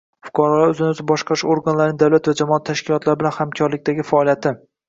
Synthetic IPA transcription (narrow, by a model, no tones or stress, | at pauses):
fʊ̥kʰɒɾɒlaɾɵzɪnɪɵzɪbɒʃqʰɑʃoɾɡanlaɾɪnɪd̪awlat̪vad͡ʒamɒat̪ʰːaʃkʲʰɪlˠɒt̪ʰlaɾɪbɪlanhamkʲʰɒɾlɪk̚ʲt̪aɡʲɪfaɒlijat̪ʰɪ